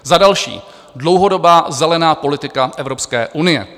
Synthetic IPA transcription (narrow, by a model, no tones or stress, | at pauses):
zadalʃḭː | dlo̞wɦo̞do̞baːzɛlɛnaːpo̞lɪt̪ɪkaʔɛvɾo̞pskɛːʔunɪjɛ̰